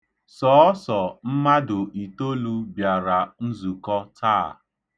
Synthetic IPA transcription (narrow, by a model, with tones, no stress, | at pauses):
sɔː˨˦sɔ˨m̩˦ma˦dʊ˨ʔi˨to˦lu˦bja˨ɾa˨n̩˦zu˨kɔ˦tʰaː˦˨